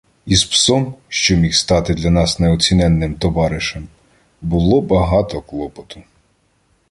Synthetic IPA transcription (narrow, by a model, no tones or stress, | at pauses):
ispsɔmʃt͡ʃɔmʲixst̪ɑt̪ɪd̪lʲɐnɑsneɔt͡sʲinɛnːɪmt̪ɔʋɑɾɪʃɛm | bʊlˠɔbɐɦɑt̪ɔklˠɔpɔt̪ʊ̥